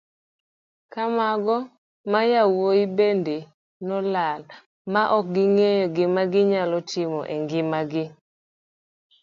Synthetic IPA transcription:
kamaɡɔ | majawojibende | nɔlal | maʔɔk̚ɡɪŋejɔɡɪmaɡɪɲalɔtʰɪmɔ̰ʔeŋɡɪmaɡɪ

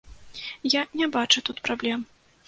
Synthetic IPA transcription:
janʲɛbat͡ʂut̪ut̪pɾablʲɛm

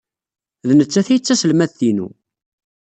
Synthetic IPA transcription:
ðnət͡sːæθæjət͡sːæsəlmæθθinṵ

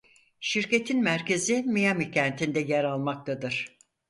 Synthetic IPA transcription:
ʃiɾce̞t̪ʰinmæɾce̞zimijamicʰænt̪ʰind̪ɛjɛɾalˠmak̚t̪ʰad̪ɯɾ̥

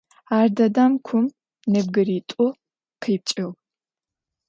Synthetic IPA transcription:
aːrdɐdamkʷʰʊm | nɨb̚ɡɨɾitʷʼʊ | qʰip̚t͡ʃʼɪʁ

